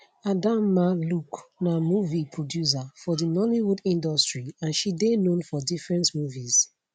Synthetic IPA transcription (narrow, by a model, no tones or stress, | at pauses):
adãmːaluknamuvipʰɹɔdjus̬afɔdinɔliwudĩndɔstɹiãnʃidenõnfɔdifɹɛ̃ntmuviz̥